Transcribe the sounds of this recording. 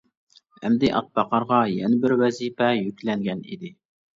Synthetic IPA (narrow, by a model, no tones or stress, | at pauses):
hɛ̰md̪ɪʔɑ̰t̪̚bɑqɑɾʁɑjɛnɪbɪɾwɛzipɛjykʲlɛŋɡʲɛnḭd̪ɪ